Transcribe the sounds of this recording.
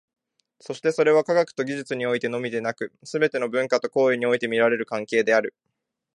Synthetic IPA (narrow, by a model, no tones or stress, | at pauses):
so̞ɕi̥t̪e̞so̞ɾe̞β̞akaɡakɯ̟̥t̪o̞ɡʲiʑit͡sɨɲ̟io̞it̪e̞no̞mʲid̪e̞nakɯ̟sɨbe̞t̪e̞no̞bɯ̟̃ŋkat̪o̞ko̞ːiɲ̟io̞it̪e̞mʲiɾaɾe̞ɾɯ̟kãŋke̞ːd̪e̞aɾɯ̟